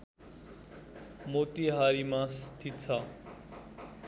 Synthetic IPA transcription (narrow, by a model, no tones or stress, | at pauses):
mot̪iɦaɾimast̪ʰit̪̚t͡sʰʌ